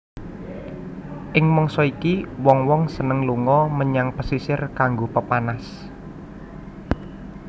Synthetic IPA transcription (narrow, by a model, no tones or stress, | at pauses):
ʔɪŋmɔŋsɔikiwɔŋwɔŋsənəŋluŋɔməɲaŋpəsisɪrkaŋɡopəpanas